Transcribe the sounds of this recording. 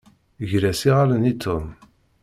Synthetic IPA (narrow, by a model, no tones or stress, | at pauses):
ʝɾæsiʁalənit̪ʰːum